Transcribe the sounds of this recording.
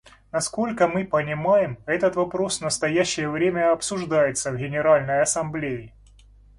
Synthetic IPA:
nɐsko̞lʲkəmɨpənʲɪmajɪmɛt̪ət̪vɐpɾo̞snəst̪ɐjæɕːɪjəvɾʲemʲəɐpsʊʐd̪ajɪt̪səvɡʲɪnʲɪɾalʲnəjɐsɐmblʲejɪ

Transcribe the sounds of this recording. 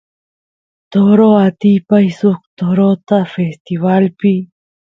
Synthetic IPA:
t̪oɾoat̪ipajsuk̚t̪oɾot̪afest̪iβalpi

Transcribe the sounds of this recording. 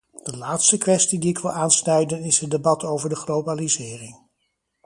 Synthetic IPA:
d̥əlaːtstəkʋɛstidiɪkʋɪ̰lˠaːnsnœɥdənɪsɦət̚debɑtʰowvəɹdəχlowbalizɪːrɪŋ

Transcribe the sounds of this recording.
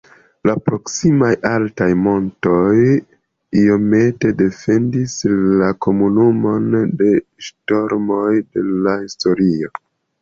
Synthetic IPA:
lapɾo̞ksimajaltajmo̞nto̞j | io̞me̞te̞de̞fe̞ndislako̞munumo̞nde̞ʃto̞ɾmo̞jde̞lahisto̞ɾio̞

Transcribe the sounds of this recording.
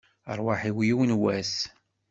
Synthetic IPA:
ə̰ɾˤwaħiwjiwnwæs

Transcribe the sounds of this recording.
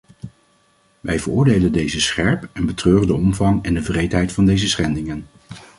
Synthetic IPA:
ʋɛjvəɹʊːɹdejləndejzəsχɛɹpɛnbətrøːrəndəɔmvɑŋɛndəvrejtɦɛjtfɑndejzəsχɛndɪŋən

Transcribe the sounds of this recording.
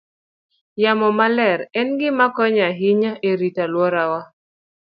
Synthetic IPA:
jamɔmalɛɾɛnɡɪmakɔɲaɦɪɲaʔeɾitalwɔɾawa

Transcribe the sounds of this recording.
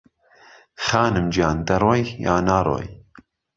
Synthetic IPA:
xaːnɨmd͡ʒjaːnd̪ɐɾoːjja̰ːnaːɾo̰ːj

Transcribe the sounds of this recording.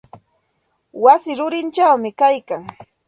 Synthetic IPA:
wasɪɾʊɾɪnt͡ʃawmɪkajkaŋ

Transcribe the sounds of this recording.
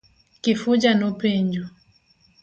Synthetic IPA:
kifud͡ʒanupɛɲd͡ʒu

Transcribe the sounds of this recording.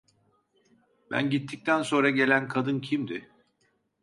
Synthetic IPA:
bæ̰nɟit̪ʰːic̚t̪ʰænso̞nɾaɟe̞lʲænkʰad̪ɯncʰimd̪ɪ

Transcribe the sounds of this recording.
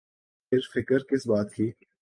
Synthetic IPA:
ɪɾfɪkəɾkɪsbaːt̪kʰiː

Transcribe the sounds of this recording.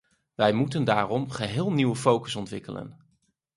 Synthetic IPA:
ʋɛjmutəndaːrɔmχəɦɪːlˠniwəfowkəsɔntʋɪkələ̰n

